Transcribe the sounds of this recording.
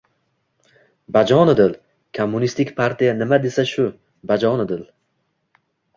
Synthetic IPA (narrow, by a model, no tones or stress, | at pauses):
bad͡ʒɒnɪd̪ɪl | kʰomːunist̪ɪkʲpʰaɾt̪ʰijanɪmad̪e̞saʃʊ | bad͡ʒɒnɪd̪ɪl